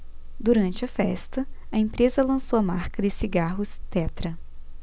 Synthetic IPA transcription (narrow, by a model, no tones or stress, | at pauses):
d̪uɾɐ̃nt͡ʃɪɐfɛ̰st̪ɐɐẽmpɾezɐlɐ̃sowɐmaɾkɐd̪ɪsiɡaɦʊst̪ɛt̪ɾɐ